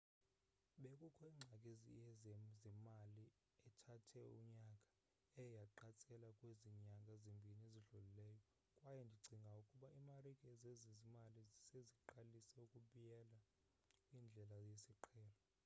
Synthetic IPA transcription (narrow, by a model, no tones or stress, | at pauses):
ɓekʼukʰɔiŋ͡ǀʱakʼezḭɛzɛmali | ɛtʰatʰɛṵɲakʼḁ | ɛjaǃat͡sʼɛlakʼweziɲakʼaezimbʱinieziɮulilɛːjɔ | kʼwajɛndʱiǀʱiŋɡʱaukʼuɓaimarikʼɛzezizimaliseziǃalisɛukʼuɓujɛla | ind͡ɮʱɛlajesiǃʰɛːlɔ